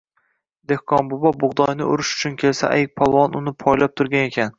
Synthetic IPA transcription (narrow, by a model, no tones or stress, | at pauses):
d̪e̞hkʰɒnbʊbɒbʊʁd̪ɒjnɪʊ̰ɾɪʃʊ̥t͡ʃʰʊnkʲʰe̞lsa̰ʔajk̚ʲpʰɒlˠwɒnʊnɪpʰɒjlap̚t̪ʰʊɾɡʲane̞kʲʰan